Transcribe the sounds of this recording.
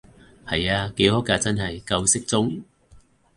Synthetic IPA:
hɐ˨jaː˧ke˨˥jhoː˨˥kaː˧t͡sɐ˥nɦɐ˨jkɐ˧wsɪ˥k̚t͡sʊ˥ŋ

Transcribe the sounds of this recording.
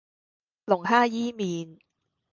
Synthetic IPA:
lʊ˨˩ŋhaː˥jiː˥miː˨˧n

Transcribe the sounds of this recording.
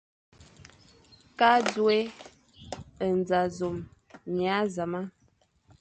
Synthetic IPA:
ka˦d͡zwe˦ | ə˨n˨d͡za˨zo˨m | ɲja˨˦za˨ma˦

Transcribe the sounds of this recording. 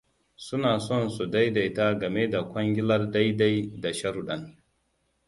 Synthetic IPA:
sʊ˦naː˨sɔ˦˨nsu˨da˦jda˨jtaː˦ɡɐ˨me˦da˨kʷɐ˦ŋɡʲɪ˦lɐ˦rda˦jda˦jda˨ʃɐ˦ɾu˨ɗɐ˨n

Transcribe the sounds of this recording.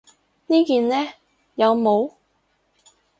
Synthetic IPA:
niː˥kiː˨nlɛː˥ | jɐ˨˧wmo˨˧w

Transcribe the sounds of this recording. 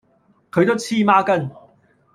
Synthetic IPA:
kʰɵ˨˧ɥt̪o˥wt͡sʰiː˥˩maː˥kɐ˥n

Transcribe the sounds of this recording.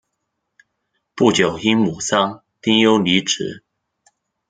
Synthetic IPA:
pu˥˨t͡ɕjo˨˩ʊxi˦ŋmu˨˩sɑ˦ŋ | t̪ʰi˥ŋjo˥˦ʊli˨˦ʈ͡ʂ̩ʰ˨˦

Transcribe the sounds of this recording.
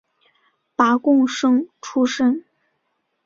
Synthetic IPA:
pa˧˥kʊ˥˧ŋʂɤ˥ŋʈ͡ʂʰu˥ʂə˥˩n

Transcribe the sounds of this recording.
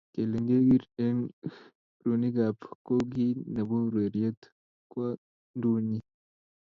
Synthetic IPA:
ke˨le˨ŋɡe˦ɡi˦ɾe˦n | ɾu˨ni˦ɡa˨pko˦ɡi˦na˨βo˦ɾwe˨ɾi˨e˦t̪ | kwa˦ | nduː˦ɲi

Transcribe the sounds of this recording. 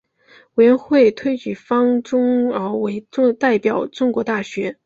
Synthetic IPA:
we˨˩ɪɥɛ˧˥nxwe˥˩ɪt̪ʰwe˥ɪt͡ɕy˨˩fɑ˥ŋʈ͡ʂʊ˥ŋə˞˧˥we˧˥ɪ˥˧t̪a˥˩ɪpjɑ˨˩ʊʈ͡ʂʊ˥ŋkwɔ˧˥t̪a˥˩ɕɥɛ˧˥

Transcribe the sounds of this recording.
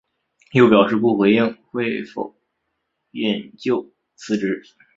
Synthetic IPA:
jo˥˩ʊpjɑ˨˩ʊʂɻ̩˥˧pu˥˩xwe˧˥ɪi˥˩ŋxwe˥˩ɪfo̰˨˩ʊ | ɛ˥˨˩nt͡ɕjo˥˩ʊ | t͡sʰɹ̩˥ʈ͡ʂɻ̩˧˥

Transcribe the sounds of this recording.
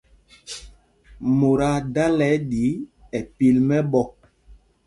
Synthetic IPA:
mo˨ɾa˨da˦lɛ˨˦ɗi˨˦ɛ˨pi˦lmɛ˦ɓɔ˦

